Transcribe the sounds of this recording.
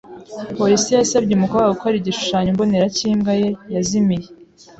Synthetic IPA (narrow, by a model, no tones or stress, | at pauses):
po̞ɾisijasab̚ɟeumukoβɡaɡukoaɾiɟiʃu̥ʃaːɲomboneɾaciːmɡajejazimije